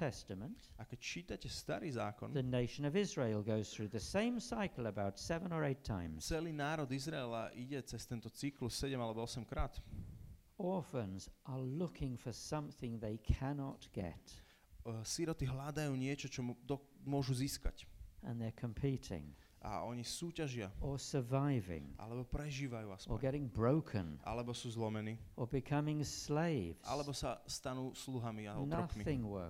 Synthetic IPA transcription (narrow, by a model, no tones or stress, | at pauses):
tʰɛstɨmə̃ntakɛct͡ʃiːt̪acɛst̪aɾiːzaːkɔnðɨneɪʃɨ̃nʌvɪzɹeɪlˠɡoʊz̥θɹʉðɨsẽɪ̃msaɪkl̩ˠəbaʊtsɛvə̃nə˞eɪtʰã̰ɪ̃mz̥t͡sɛliːnaːɾɔd̪izɾaɛlaʔiɟɛt͡sɛst̪ɛnt̪ɔt͡siklussɛɟɛmalɛbɔɔsɛmkɾaːt̪ | ɔɹfə̃nzʔə˞lʊkʰɪ̃ŋfə˞sʌ̃mθɪ̃ŋðeɪkʰænɑt̚ɡ̥ɛ̰t | siɾɔt̪iɦlad̪ajuːɲɪɛt͡ʃɔt͡ʃɔd̪ɔ | mʊɔʒuziːska̰cə̃nðə˞kʰə̃mpʰiɾɪ̰̃ŋ | ʔa̰ɔɲisuːcaʒɪaə˞sə˞vaɪvɪ̰̃ŋʔa̰lɛbɔpɾɛʒiːʋajuːasə˞ɡɛɾɪ̃ŋbɹoʊkʰə̰̃nʔa̰lɛbɔsuːzlɔmɛniːə˞bɨkʰʌmɪ̃ŋssleɪvza̰lɛbɔsast̪anuːsluɦamianɾɾɔkθmiɪ̃ŋwɜ̰˞